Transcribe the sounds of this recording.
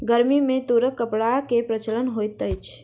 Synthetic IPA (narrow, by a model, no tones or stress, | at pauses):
ɡəɾmimẽt̪uɾəkːəpɽakepɾət͡ʃələnɦojt̪ət͡ʃʰ